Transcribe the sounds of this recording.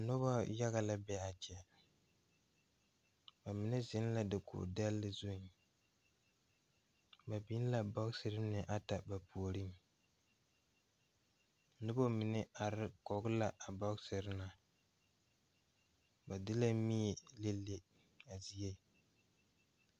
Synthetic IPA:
nʊ˦ba˦ja˦ɣa˨la˦bɛ˦a˨t͡ʃɛ˨ | ba˨mɪ˨nɪ˦zɪ˦n˦la˦dɨ˨kʊ̰˨da˦lːɨ˦zu˦n | ba˨bi˦n˦la˨bɔ˦ɡsɨ˨ɾɨ˦nɨ˨ʔa˦ta˨ba˨pu˨o˨ɾi˦ŋ | nʊ˦bo˦mɪ˨nɪ˦ʔa˨ɾɪ˦kɔ˨ɡʊ˦la˨ʔa˨bɔ˦ɡsɨ˨ɾɪ˦na˨ | ba˨dɪ˦la˦mi˦e˨le˦lːe˦ | a˨zi˨je˦˨

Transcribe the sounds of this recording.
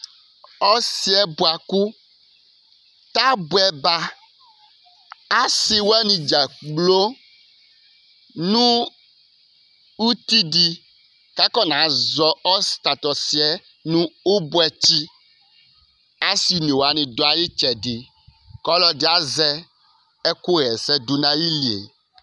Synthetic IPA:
ɔ˦si˦ɛ˦bu˨a˨ku˦ | t̪a˦bu˨ɛ˨ba˦ | a˦si˨wo˦a˦nĩ˨d͡ʒa˨k͡plo˦ | nũ˦ | u˦t̪i˦di˨ | ka˦kɔ˦nã˨˦zɔ˨ɔ˦st̪a˨t̪ɔ˨si˨ɛ˦ | nũ˦o˦bo˦ɛ˨t͡ɕi˦ | a˦si˨nĩ˨wo˨a˨nĩ˨do˦a˨ji˦t͡ʃɛ˨ɖi˨ | kɔ˦lɔ˦ɖi˨˦a˦zɛ˦ | ɛ˦ku˦ɣɛ˨sɛ˦d̪u˦nã˦ji˦li˨ḛ˨

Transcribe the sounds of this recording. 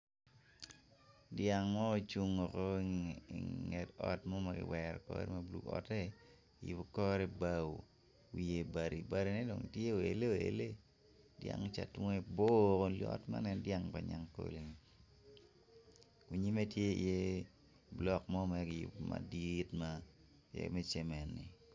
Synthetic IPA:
dja˨ŋmɔ˦o˨t͡ʃu˦ŋɔ˨ko˦iŋɛ˨tɔ˦tmɔ˦ma˨ɡɪ̰˨wɛɾɔ̰˨kɔ̰ɾɛ̰˦ma˦blṵ˨kɔ̰˨tɛ˦˨ | jṵ˨bo˨kɔ˦ɾɛ˦ba˦wo˨ | wi˨je˨ba˨ɾi˨ba˦ɾi˦nɛ˦do˨ŋtje˦o˨ḛ˨le˦o˨ḛ˨le˦ | dja̰˦ŋt͡ʃa̰˨twŋe˦bo˦ko˨lɔ̰tma̰˦nɛ˦ndja˦ŋpa˨ɲa˦ŋko̰˦li˨ni˨ | ku˨ɲi˦me˦tje˦ḭ˨je˦ | blɔ˦kmɔ˦mɛɡɪ˨jʊ̰˨bma̰˨ditma | jɛ̰mɛ˦t͡ʃɛ˨mɛ˨nːi˨

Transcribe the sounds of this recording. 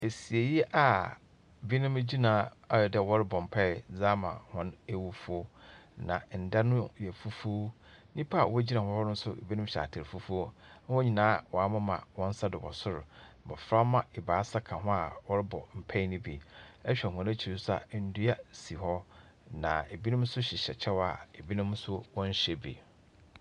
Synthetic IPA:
e˨si˨e˨ji˦ʔa˨ | bi˦nʊ̃˦m˦d͡ʑi˦nãː˨˦a˨jɔ˨dɛ˦˨wɔ˦ɾɪ˦bɔ˨m̩˨pʰɛ˦ɪ˨d͡zaː˦mã̰˨hɔ̃˦ne˦wu˦fu˦o˦nã̰˨n̩˨da˦nʊ̃˦jɛ˨fu˦fu˦ | nĩ˦pʰa˦a˨wɔ˦d͡ʑi˦nã˨hɔ̃˦hɔ˦nʊ˦n̩˦sʊ˦˨bi˦nʊ̃˦m˦ɕa̰˨tʰɪ˨ɾfu˦fu˦o˦wɔ˦ɲĩ˨nãː˦wɔ˨a˨mã˦mã̰˨wɔ̃˦n̩˦sa˦dɪ˨wɔ̰˨sʊ˦ɾʊ˨bɔ̰˨fɾa˦mã˨ɪ˨baː˨˦sa˦kʰã˨ɦɔ̃˦a˨wɔ˦ɾɪ˦bɔ˨m̩˨pʰɛ˦nĩ˦bḭ˨ɛ˦ɕᶣɛ˨ɦʊ̃˨ne˦t͡ɕʰi˨ɾɪ˦sa̰˨˦n̩˦dʊ˦ja˦si˨ɦɔ˦ | nã̰˨e˨bi˦nʊ̃˦msʊ˦ɕɪ˨ɕɛ̰˨t͡ɕʰɛ˦wa̰˨e˨bi˦nʊ̃˦msʊ˦wɔ̃˦n˦ɕe˨bḭ˨

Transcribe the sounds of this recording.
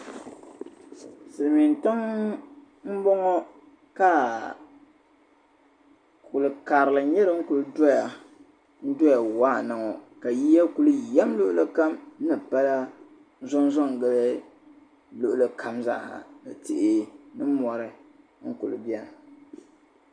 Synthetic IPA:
sɨ˨ɾmi˨ntɨ˦ŋ | m̩˦bɔ˦ŋɔ˦ | ka˦ | ku˨lɨ˨ka˨ɾɨ˨lɨ˨˦ɲɛ˦ɾɨ˨˦ŋ̩˦ku˨lɨ˦dɔ˦ja˨ | n̩˦dɔ˦ja˨waː˦˨nɨ˨ŋɔ˨ka˨ji˦ja˦ku˦lɨ˦jɛ˦mlʊ˦ʔʊ˦lɨ˦ka˦m˦nɨ˨pa˦la˦ | zɔ˦n˦zɔ˦˨ŋ˨ɡɨ˦lɛ˦ | lʊ˦˨ʔʊ˨lɨ˦kʰa˨mza̰˦ʔha̰˨nɨ˨tɪ̰˨ʔɪ˦nɨ˦mɔ˨ɾɨ˨ | ŋ̩˦kʊ˨lɨ˨bi˦a˦˨

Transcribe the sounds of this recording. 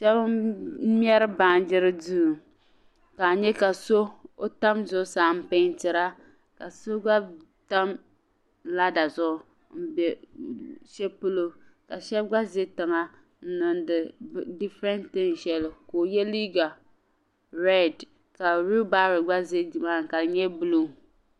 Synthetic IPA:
ʃɛ˦b̩˦mʲ˦ɛ˦ɾɨ˦ba˦n˦d͡ʒɪ˦ɾɨ˦du˦˨ | ka˨ɲɛ˦ka˨so˦o˦ta˦mzʊ˦ʊ˦saː˨˦m̩˦pɪ˦n˦tɪ˨ɾa˦ | ka˨so˦ɡ͡ba˦ | ta˦m | la˦da˨zʊ˦ʊ˦ | m̩˦bɛ˨ | ʃɛ˦pu˦lo˦ka˨ʃɛ˦bɡ͡ba˦ze˦tɨ˨ŋa˨ | n̩˦nɨ˨ndɨ˨di˦fɾɛ˦ntɨ˦n˨ʃɛ˦lɨ˨ko˨jɛ˦li˦ɡa˨ | ɾɛ˦d | ka˨ɾu˦ba˦ɾɨ˨ɡ͡ba˦ze˦˨ma˦˨ŋ˨ka˨ɲɛ˦bu˦lo˦˨

